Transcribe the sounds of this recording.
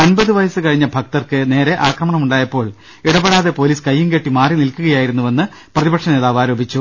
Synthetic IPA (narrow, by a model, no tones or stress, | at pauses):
ɐnbɐðɨʋɐjɐsɨkɐɻiɲːɐbʱɐk̚t̪ɐrkɨne̞ːɾe̞ʔaːkrɐmɐɳɐmuɳɖaːjɐpːo̞ːɭ | iɽɐbeɽaːðe̞po̞ːliːskɐjːuŋkeʈːimaːrinilkuɣɐjaːjiɾunːuʋɐnːɨ | prɐðibɐkʂɐne̞ːðaːʋaːɾo̞ːbʱit͡ɕːu